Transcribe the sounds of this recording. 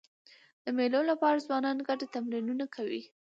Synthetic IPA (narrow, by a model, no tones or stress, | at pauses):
d̪̥əmelolapɑɾazwɑnɑnɡaʈet̪amɾinunakʰawḭ